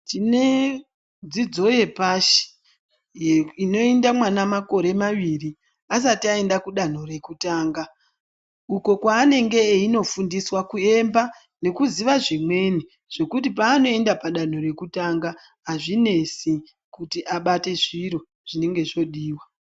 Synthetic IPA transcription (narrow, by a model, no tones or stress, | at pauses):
tine | d͡zid͡zo̞je̞paʃi̥ | jeino̞endamwanamako̞ɾe̞maʋiri | as̬atiae̞ndakuɗan̤o̞re̞kutaːŋɡa | uko̞kwaːne̞ŋɡe̞ːino̞fundiswakue̞mba | ne̞kuziʋaʐimwe̞ni | ʐ̥e̞kutip̬aːno̞e̞ndapaɗan̤o̞re̞kutaŋɡa | aʐine̞si | kutiʔaɓate̞ʐiɾo̞ | ʐ̥ine̞ŋɡe̞ʐo̞ɗiːwa